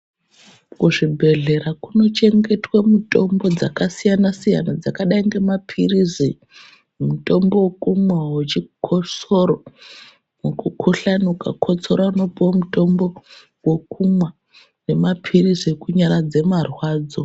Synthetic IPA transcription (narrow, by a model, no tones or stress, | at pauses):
kuʐibʱe̞ɮe̞ɾakuno̞t͡ʃe̞ŋɡe̞twamuto̞mbo̞d͡zakasijanasija̰nad͡zakaɗaiŋɡe̞mapʰirizi | muto̞mbo̞wokumwawet͡ʃikʰosoɾo | mukukʰoɬanukakʰo̞t͡so̞ɾano̞pomuto̞mbo̞ | wekumwa | ne̞mapʰirizikuɲaɾad͡ze̞marwaːd͡zo̞